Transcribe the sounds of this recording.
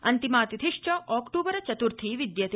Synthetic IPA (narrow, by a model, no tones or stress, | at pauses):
ɐnt̪imaːt̪id̪ʰʱiʂt͡ʃɐʔɔːkʈuːbɐɾɐt͡ʃɐt̪uɾt̪ʰiːʋid̪jɐt̪